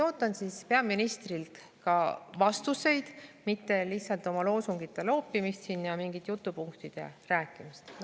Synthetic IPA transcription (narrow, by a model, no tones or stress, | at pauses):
o̞ːt̪ːˑɑnsispe̞ɑminist̪rilt̪ | kɑvɑst̪use̞jd̪̥mit̪ːe̞lihtsɑlt̪ˑo̞mɑlo̞ːsuŋɡ̥it̪ˑːe̞lo̞ːpːˑimist̪sinjɑmiŋɡit̪ːjut̪ːˑupuŋkt̪id̪̥e̞̰ræːkːˑimist̪